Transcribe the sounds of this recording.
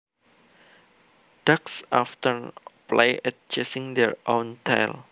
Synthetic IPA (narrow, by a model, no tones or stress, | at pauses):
d̥aksʔaftəɹpla̰jɛt̚t͡ʃɛsĩŋd̪ɛɹʔõntʰaɪl